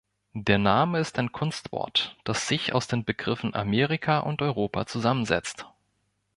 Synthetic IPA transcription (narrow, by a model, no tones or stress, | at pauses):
d̥eːɐnaːməɪstaɪnkʰʊnstv̥ɔ̰ɐtd̥asz̥ɪça̰ʊsd̥eːnbəɡʁɪfn̩ʔa̰meːʁ̞ɪkʰaʔʊntʔɔʏʁoːpʰa̰t͡suzamənzɛ̰t͡st